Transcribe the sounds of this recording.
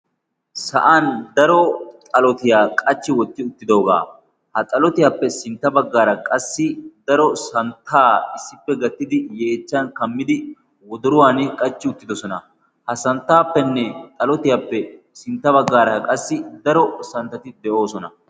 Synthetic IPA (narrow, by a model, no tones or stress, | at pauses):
sɐ̰ʔand̪ɐɾɔtʼɐlɔt̪ɪjaːkʼɐt͡ʃːɪwɔt̪ːɪʊt̪ːɪd̪o̞ːɡa̰ː | hɐt͡sʼɐlɔt̪ɪjaːpːɛsɪnt̪ːɐbɐɡːaːɾɐkʼɐsːɪd̪ɐɾɔsɐnt̪ʰːaːɪsːɪpːɛɡɐt̪ːɪd̪ɪjeːt͡ʃːɐnkɐmːɪd̪ɪ | wɔd̪ʊɾʊwaːnkʼɐt͡ʃːɪʊt̪ːɪd̪ɔsɔnɐ | hɐsɐnt̪ːaːpːɛnːɛt͡sʼɐlɔt̪ɪjaːpːɛ | sɪnt̪ːɐβɐɡːaːɾɐkʼɐsːɪd̪ɐɾɔsɐnt̪ːɐt̪ɪd̪ɛʔo̞ːsɔnɐ